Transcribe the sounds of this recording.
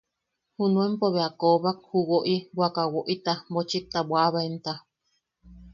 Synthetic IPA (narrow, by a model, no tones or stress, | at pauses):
hunũempoβeakoβak̚huwoʔibwakawoʔit̪amot͡ʃit̪abwaβaent̪a